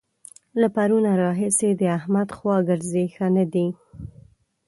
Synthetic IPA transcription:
lapaɾunaɾɑɦɪsed̪əahmad̪xwɑɡəɾzexanad̪i

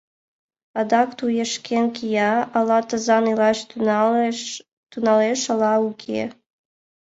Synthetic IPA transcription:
ɑd̪ɑkt̪ujeʃkenkʲijɑːlɑt̪əzɑnilɑɕ | t̪unɑleʃɑlɑukʲʰḛ

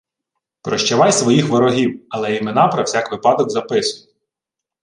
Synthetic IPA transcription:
pɾɔʃt͡ʃɛʋɑjsʋɔjixʋɔɾɔɦʲiwɐlˠɛimenɑpɾɐwsʲakʋɪpɑd̪ɔɡzɐpɪsʊjɛ

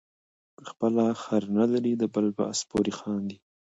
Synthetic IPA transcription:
əxpəlaxaɾnalaɾid̪əbalba̰aspoɾixɑːnd̪i

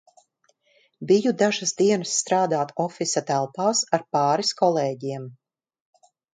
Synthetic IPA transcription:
bijud̪aʒasd̪iɛnasːt̪ɾaːd̪aːt̪ɔfisat̪ælˠpaːsaɾpɑːɾiskɔlˠeːɟiɛm

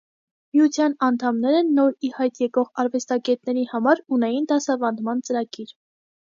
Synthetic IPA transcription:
miut͡sʰjɑnɑnt̪ʰɑmnɛɾɛnːɔɾihɑjt̪jɛkɔʁɑɾvɛst̪ɑɡɛt̪nɛɾihɑmɑɾunɛjind̪ɑsɑvɑnd̪mɑnt͡səɾɑɡiɾ

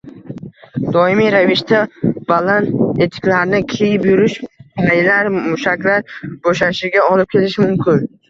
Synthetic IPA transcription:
d̪ɒɪmijɾavɪʃt̪ʰabalane̞t̪ʰɪ̥kʲlaɾnɪkʲʰe̞jɪpjʊɾɪʃpʰajlaɾmʊʃakʲlaɾboʃaʃɪɡʲaɒlɪp̚kʲʰe̞lɪʃɪmʊmkʲʰɪn

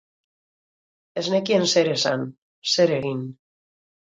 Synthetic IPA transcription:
eznekienseɾesa̰n | seɾeɣin

